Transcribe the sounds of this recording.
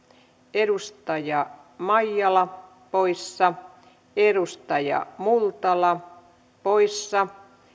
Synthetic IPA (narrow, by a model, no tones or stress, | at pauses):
edust̪ɑjɑ | mɑjːɑlɑ | poisːɑ | edust̪ɑjɑ̰mult̪ɑlɑ | poisːɑ